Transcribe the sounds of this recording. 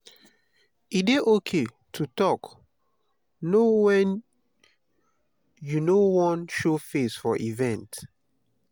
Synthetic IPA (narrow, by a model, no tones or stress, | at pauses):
ideʔokʰe | tʰutɔk | nowɛ̃n | junowɔ̃nʃofesfɔʔivɛ̃nt